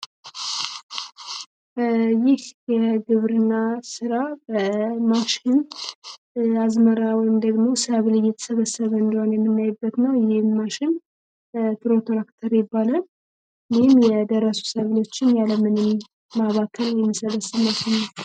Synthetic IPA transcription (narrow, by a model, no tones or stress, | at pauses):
jɪhjɛɡɨβɾɨnːasɨɾabəmaʃɪn | azməɾawɔjɪmd̪əɡmo̞səβlɨjɛt̪ʰə̥səβəsəβəɨnd̪əhonjɛmːɨmːjajbːət̪nəwjɪhɪːaʃɪn | pʰɨɾo̞t̪ʰoɾakt̪ʰəɾjɛbːalə | lihɪmjɛd̪əɾəsu̥səβlo̞t͡ʃːɪnjaləmɨnɨmː | aβakʰːəljɛmːəsələsɨmːaʃɪnə